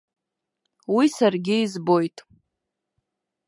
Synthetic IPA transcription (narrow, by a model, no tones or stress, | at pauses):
wisarɡʲɪizbo̞jtʼ